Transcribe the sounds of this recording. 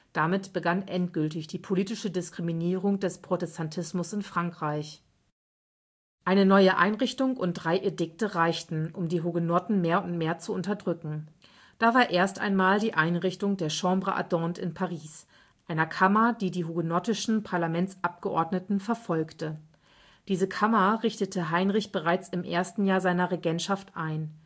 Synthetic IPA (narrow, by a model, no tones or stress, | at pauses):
d̥amɪtb̥əɡanʔɛnt̚ɡ̥ʏltɪçd̥iːpʰoliːtɪʃədɪskʁ̥iminiːʁ̞ʊŋd̥ɛspʁ̥otɛstʰantʰɪsmʊsɪnfʁ̥aŋkʁ̥aɪç | ʔaɪnənɔʏəʔa̰ɪnʁɪçtʊŋʊnt̚d̥ʁaɪʔedɪk̚təʁaɪçtn̩ʊmdiːɦuɡonɔtn̩meːɐʊntmeːɐt͡suʊntɐdʁʏkŋ̩ | d̥aːvaːɐʔeːɐsta̰ɪnmaːldiːʔaɪnʁɪçtʊŋdeːɐʃɑ̃ːmbʁəʔa̰dɔːntɪ̰npʰaʁiːs | ʔaɪnɐkʰamɐdiːdiːɦuɡonɔtɪʃn̩pʰaɐlamɛnt͡sʔap̚ɡ̥əʔɔɐdnətn̩fɛɐfɔlktə | d̥iːzəkʰamɐʁɪçtətʰəɦaɪnʁɪçb̥əʁaɪt͡sɪmʔḛːɐstn̩jaːɐzaɪnɐʁeɡɛntʃaftʔaɪn